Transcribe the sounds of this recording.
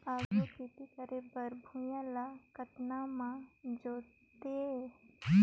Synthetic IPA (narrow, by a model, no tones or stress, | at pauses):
aːukɪt̪ikəɾebəɾbʱujãlakət̪namãd͡ʒoːtt̪e